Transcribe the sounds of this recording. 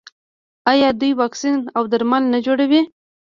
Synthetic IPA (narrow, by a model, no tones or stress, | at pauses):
ɑjɑd̪ujwɑksinawd̪aɾmalnad͡ʒoɽawi